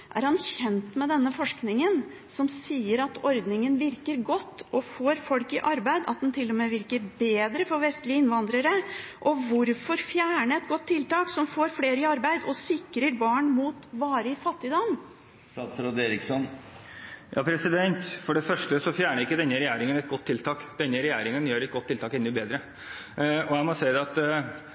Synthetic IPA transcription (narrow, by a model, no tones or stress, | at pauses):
ʔæ̰ɾhɑnçɛnt̪mɛd̪ɛnːəfɔʂknɪŋən | sɔmsiːəɾɑt̪ɔɾd̪nɪŋənʋɪɾkəɾɡɔt̪ːʔɔfoːɾfɔlkɪʔɑɾbæɪd̪ɑ̰t̪̚d̪ɛnt̪ʰɪlːɔmɛʋɪɾkəɾbeːd̪ɾəfɔɾʋɛst̪lɪəɪnʋɑnd̪ɾəɾəʔɔʋʊɾfɔɾfjæːɳəɛt̪̚ɡɔt̪ʰːɪlt̪ɑːksɔmfoːɾfleːɾəɪɑɾbæɪd̪ɔsɪkɾəɾbɑːɳmuːt̪ʋɑːɾəɪfɑt̪ːɪd̪ɑːn | st̪ɑːt̪sɾoːd̪eːɾɪksɔn | jɑ̰ːpʰɾɛsɪd̪ɛnt̪fɔɖɛfœʂʈəsɔfjæːɳəɾɪkːəd̪ɛnːəɾɛjæːɾɪŋənɛt̪̚ɡɔt̪ʰːɪlt̪ʰɑːkd̪̥ɛnːəɾɛjæːɾɪŋənjøːɾɛt̪ɡɔt̪ʰːɪlt̪ʰɑːkɛnːʉbeːd̪ɾə | ɔjæɪmɔsæɪd̪ɛɑt̪